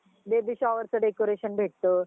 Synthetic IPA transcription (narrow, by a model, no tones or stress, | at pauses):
b̪ebiɕaʋəɾsəɖekoɾeɕənbʱeʈ̚t̪o